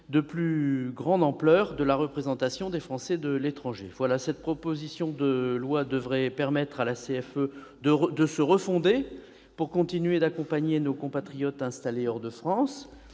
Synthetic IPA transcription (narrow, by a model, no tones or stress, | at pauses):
d̪əplyɡʁɑ̃d̪ɑ̃plœʁd̪əlaʁəpχezɑ̃t̪asjɔ̃d̪efχɑ̃sɛd̪əlet̪χɑ̃ʒḛvwalasɛt̪̚pχɔpozisjɔ̃d̪əlwad̪əvʁɛpɛʁmɛt̪χalaseɛfød̪əʁd̪əsəʁəfɔ̃d̪e | puʁkɔ̃t̪inɥed̪akɔ̃paɲenokɔ̃pat̪χijɔt̪ɛ̃st̪aleɔʁd̪əfχɑ̃s